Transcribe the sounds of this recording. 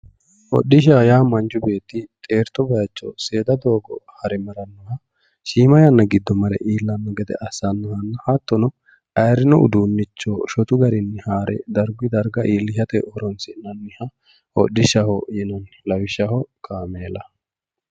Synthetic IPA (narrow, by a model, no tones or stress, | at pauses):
ʔɔ̰ɗːɪʃ̬ajaːmɐnd͡ʒʊbe̞ːt̪ːɪt̪ʼe̞ːɾt̪ɔbɐjɐt͡ʃːɔ̰se̞ːd̪ɐd̪o̞ːɡɔ̰hɐɾɛmɐɾɐnːɔhɐ | ʃiːmɐjɐnːɐɡɪd̪ːɔmɐɾɛ̰ʔiːlːɐnːɔɡɛd̪ɛ̰ʔɐsɐnːɔhɐnːɐhɐt̪ːɔnɔ | ɐjɾɪnɔʊ̰d̪uːnːɪt͡ʃːoːʃɔt̪ʊɡɐɾɪnːɪhaːɾʔɛ̰d̪ɐɾɡɪd̪ɐɾɡɐʔiːlːɪʃɐt̪ɛʔɔɾɔnsɪnɐnːɪhɐ | ɔ̰ɗːɪʃɐhɔjɛnɐn | lɐwɪʃɐhɔkʰʼaːmeːlɐ